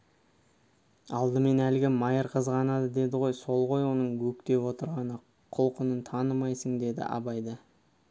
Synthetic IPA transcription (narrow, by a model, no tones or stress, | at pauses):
ɑlˠd̪əme̞nælɡʲɪmɑjəɾqʰəzʁɑnɑd̪əd̪e̞d̪ɪʁo̞jso̞lˠʁo̞jwo̞nəɴɡɵkt̪e̞pwo̞t̪əɾʁɑnə | qʰʊlˠqənənt̪ʰɑnəmɑjsəɴd̪e̞d̪ɪ̰ʔɑ̰bɑjd̪ə